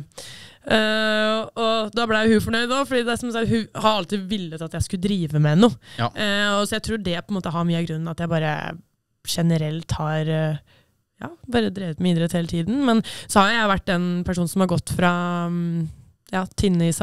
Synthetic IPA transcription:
ɔd̪ɑblææjʊhʉfɔɳœʏd̪ofɔɖiːd̪ɛæsɔmsɑhʉhɑɾɑlt̪iːd̪ʋɪlːət̪ɑt̪jæɪskʉəd̪ɾiːʋəmɛnuː | ɔsɔjæɪt̪ʰɾuːɖɛpʰɔɛnmoːt̪əɦɑɾmyːəɑɡɾʉnːnɑt̪jæɪbɑːɾə̰ | ʂɛnəɾɛlt̪hɑɾ | jɑ̰ːbɑːɾəd̪ɾiːʋət̪mæiːd̪ɾət̪ʰheːlət̪ʰiːd̪n̩mɛnsɔhɑɾjʊjæɪʋæʈːɛnpʰæʂ̬uːn̩sɔmhɑɾɡɔt̪ːfɾɑ | jɑːt̪ʰɪnːəɪs

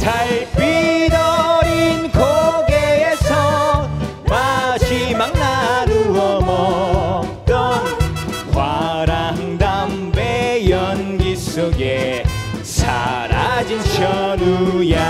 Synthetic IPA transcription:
t̪ʰajpid̪ɔinkʰoɡeesɔ | maɕimaŋnaɾuɔmɔ | t̪ɔnkʰwaɾaŋd̪am | bejʌnɡisoɡe | sa̰ɾa̰d͡ʑint͡ɕʰʌnuja

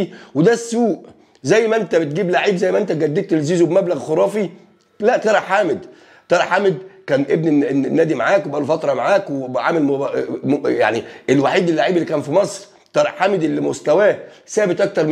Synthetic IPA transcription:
wed̪æsːuːʔ | zæjːmæʔent̪æbet̪̚ɡiːblaʕiːbzæjːmæʔent̪æɡæd̪ːiːk̚t̪elziːzobmæblæɣxoɾˤɑːfi | læʔt̪ˤɑɾˤɑħaːmed̪ | t̪ɑɾˤɑħamed̪̚kæːnʔebneenːæːd̪imaʕaːkwebʔæːlofɑt̪ɾˤɑmaʕaːkweʕaːmel | ja̰ʕniʔelwaħiːd̪elːaʕiːbelːikæːnfimɑsˤɾ | t̪ɑɾˤɑħaːmed̪elːimost̪æwæːsæːbet̪ˤʔɑk̚t̪ɑɾˤm

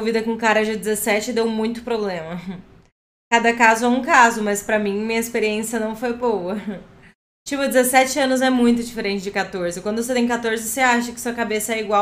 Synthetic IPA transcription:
ovid̪ɐkõkaɾɐd͡ʒɪd͡ʒɪzesɛt͡ʃɪd̪ewmũj̃t̪ʊ̥pɾoblẽmɐ | kad̪ɐkazʊɛũkazʊmɐspɾɐmĩmĩɲɐɪspeɾiẽsjɐnɐ̃w̃fojbowɐ | t͡ʃipʊd͡ʒɪzesɛt͡ʃɪɐ̃nʊzɛmũj̃t̪ʊd͡ʒifeɾẽnt͡ʃɪd͡ʒɪkat̪oɾzɪkwɐ̃nd̪ʊset̪ẽj̃kat̪oɾzɪseaʃɐkɪ̥suɐkabesɐɛiɡwaw

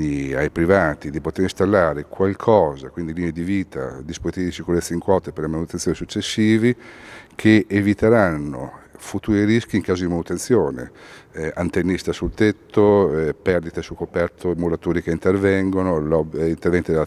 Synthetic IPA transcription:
iajpɾivaːt̪id̪ipot̪eɾĩst̪alːaːɾekwalkʰɔːzakwind̪iliːned̪iviːt̪a̰d̪ispozit̪iːvid̪isikuɾet̪sːaiŋkwɔːt̪eperlemanut̪enjoːnisut͡ʃːesːiːvikʰeʔːvit̪eɾanːo̰fut̪uːɾieɾisk̟iːŋkaːzod̪imanut̪ent̪sjoːnḛ | ant̪enːist̪asult̪et̪ʰːopɛrd̪it̪esukːopɛrt̪ʰomulat̪uːɾikeint̪ervɛŋɡonolɔint̪ervɛnt̪id̪el

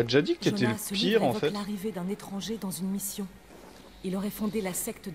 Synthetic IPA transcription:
ad̪eʒad̪ikt̪et̪ɛlspiʁɑ̃ffɛlaʁived̪ɛ̃net̪χɑ̃ʒed̪ɑ̃zynmisjɔ̃ | ilɔʁɛfɔ̃d̪elasɛkt̪

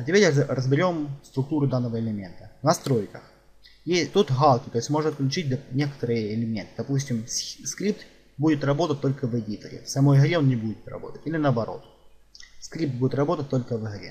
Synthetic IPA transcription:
tʲɪpʲeɾʲrəzbʲɪɾʲo̞mst̪ɾʊk̚t̪uɾʊd̪anːəvəɪlʲɪmʲe̞nt̪ənɐst̪ɾo̞jkəx | jet̪ut̪ɣalˠkʲɪt̪o̞ɪsʲmo̞ʐnɐt̪̚klʲʉt͡ɕit̚ʲd̪nʲe̞kə̥t̪əɾɨjəɪlʲɪmʲe̞nt̪ɨd̪ɐpusʲtʲɪmskɾʲip̚t̪ | budʲɪt̪ɾrɐbo̞t̪ət̚ʲt̪o̞lʲkəvədʲit̪ə̰ɾʲɪ̰sɐmojɣɾʲeonʲnʲɪbudʲɪt̪rɐ̰bo̞̰t̪ətʲilʲɪnəːbɐɾo̞̰t̪ | skɾʲip̚t̪budʲɪt̪ɾɐbo̞t̪ət̚ʲt̪o̞lʲkəvɨɣɾʲḛ

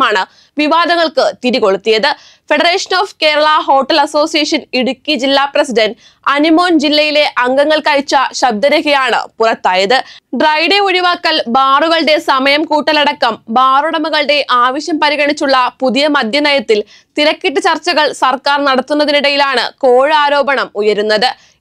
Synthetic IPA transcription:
aːɳɨ | ʋiʋaːd̪ɐŋːɐɭkɨt̪iɾiko̞ɭut̪ːijɐðɨ | fe̞ɽɐreːʂɐnoːfke̞ːɾɐɭɐɦo̞ːʈːɐlɐso̞ːsijɐʂɐniɽukʲːid͡ʑilːaːprɐsiɖɐn | ɐnimo̞ːnd͡ʑilːɐjile̞ʔɐŋɡɐŋːɐɭkɐjit͡ɕːɐɕɐb̚d̪ɐɾɐɣɐjaːɳɨ̰purɐt̪ːaːjɐðɨɖrɐjɽeoɻiʋaːkːɐlbaːruɣɐɭɖe̞sɐmɐjɐmkuːʈːɐlɐɽɐkːɐmbaːruɽɐmuɣɐɭɖe̞ʔaːʋɐɕjɐmpɐɾiɣɐɳit͡ɕːuɭːɐpuðijɐmɐd̪ʱjɐnɐjɐt̪ːil | t̪iɾɐkːiʈːɨt͡ɕɐrt͡ɕːɐɣɐɭsɐrkaːrnɐɽɐt̪ːunːɐðiniɽɐjilaːɳɨ̰ko̞ːɻɨaːɾo̞ːbɐɳɐmujɐɾunːɐðɨ

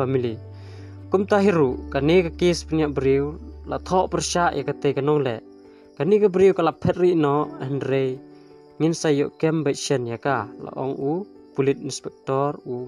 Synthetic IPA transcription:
amili | kumtaɦiɾuʔkanikakispaniabɾiwla̰t̪ʰoʔpərʃaʔjʔakatejkanɔŋlḛʔ | kanikabɾiwkalapʰet̚rinɔʔhnɾej | ŋinsajo̰ʔkembajsanjakala̰ʔo̰ŋu | pulit̚inspɛk̚toɾu

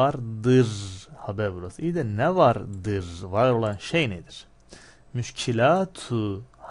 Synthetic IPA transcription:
aɾd̪ɯɾhabæɾbuɾasɯid̪ɛnɛvaɾd̪ɯɾvaɾɾo̞lˠanʃejned̪iɾ̥ | myʃcʰilʲaːt̪ʰuh

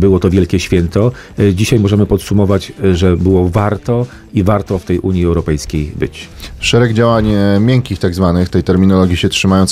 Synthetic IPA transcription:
bɘwɔt̪ɔvʲjɛlkʲɛɕfʲjɛnt̪ɔ | d͡ʑiɕajmɔʐɛmɘpɔt̪sumɔvad͡ʑʐɛbɘwɔvaɾt̪ɔ | ivaɾt̪ɔft̪ɛjʔuɲjiɛwɾɔpɛjskʲejbɘ̰t͡ɕʂɛɾɛɡd͡ʑawaɲmʲjɛŋkʲixt̪aɡzvanɘxt̪ɛjt̪ɛɾmʲinɔlɔɡʲjiɕɛtʂɘmajɔns

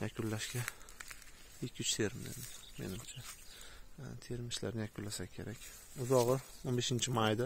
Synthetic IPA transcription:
jakʰʊnlaʃkʲa | ɪkʲʰːʊt͡ʃt̪ʰe̞ɾmd̪ḛnɪme̞̰nɪmt͡ʃʰa | t̪ʰe̞ɾmɪʃla̰ɾnɪjakʰʊnlasakʲʰe̞ɾʔakʲ | ʊzɒʁɨonbe̞ʃɪnt͡ʃʰɪmajd̪a

